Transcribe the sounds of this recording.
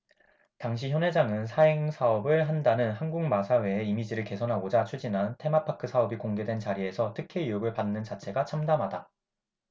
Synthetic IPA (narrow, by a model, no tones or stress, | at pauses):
taŋɕ̬ʰiçjʌnɦwe̞d͡ʑaŋɯnsʰaeŋsʰaʌbɯɭɦandanɯnɦanɡuŋmasʰawe̞eimid͡ʑiɾɯɭke̞sʰʌnɦaɡod͡ʑat͡ɕʰud͡ʑinɦantʰe̞mapʰakʰɯsʰaʌbikoŋɡe̞dwe̞nt͡ɕaɾie̞sʰʌtʰɯkʰeijuɡɯɭpanːɯnt͡ɕat͡ɕʰe̞ɡat͡ɕʰamdamɦada